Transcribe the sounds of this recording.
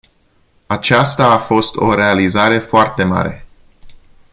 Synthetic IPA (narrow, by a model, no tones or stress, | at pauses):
at͡ʃast̪aːfo̞st̪o̞̰ɾe̞alizaɾe̞foart̪e̞ma̰ɾe̞